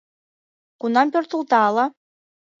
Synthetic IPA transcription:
kunɑmpʲørt̪ʰulˠt̪ɑːlˠɑ

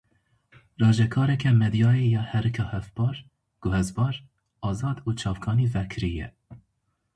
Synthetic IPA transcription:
rɑːʒɛkʰɑːɾɛkʰɛmɛd̪ijɑːejɑːhɛɾɨkʰɑːhɛfbɑːɾ | ɡ̥ʊhɛzbɑːɾ | ɑːzɑːd̪uːt͡ʃʰɑːvkʰɑːniːvɛkʰɨɾijɛ̰

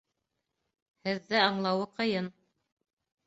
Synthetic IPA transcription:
hɘ̆ðːɘɑɴlˠɑwɤqɤ̆jɤn

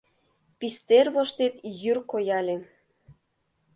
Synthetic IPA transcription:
pist̪erβoʃt̪et̪jyrkojɑlʲe

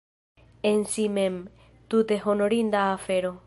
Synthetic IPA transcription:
ensimem | t̪ut̪eɦonoɾind̪aːfeɾo

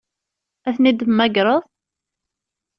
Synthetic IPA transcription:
æθnid̪mːæɡɾˤəðˤ

